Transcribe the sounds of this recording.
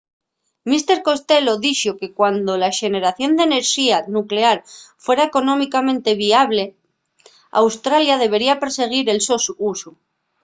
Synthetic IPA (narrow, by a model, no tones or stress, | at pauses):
mist̪e̞ɾko̞st̪e̞lo̞ðiʃoke̞kwand̪o̞laʃe̞ne̞ɾaθjo̞nd̪e̞ne̞ɾʃianukle̞aɾfwe̞ɾaeko̞nõ̞mikamẽ̞nt̪e̞β̞iaβle̞ | a̰wst̪ɾaljaðe̞β̞e̞ɾiape̞ɾse̞ɣ̞iɾe̞lsosuusu